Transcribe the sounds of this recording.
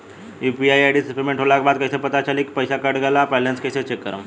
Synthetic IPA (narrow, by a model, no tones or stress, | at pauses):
upiajajɖisipemeɳʈɦolakbad̪̚kəjsepət̪at͡ɕalikpəjɕakəɾɖɡʱalapalanskəset͡ɕekːəɾə̰m